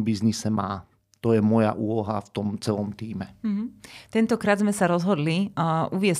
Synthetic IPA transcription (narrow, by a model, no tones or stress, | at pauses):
biznisɛmaː | t̪ɔjɛmɔja̰ʔuːlɔɦaft̪ɔmt͡sɛlɔmt̪iːmɛɦ̩t̪ɛnt̪ɔkɾaːd̪zmɛsaɾɔzɦɔd̪liʔuʋɪɛs